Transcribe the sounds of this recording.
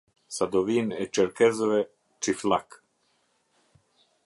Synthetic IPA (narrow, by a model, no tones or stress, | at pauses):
sad̪oʋinɛt͡ʃɛɾkɛzoʋɛ | t͡ʃiflak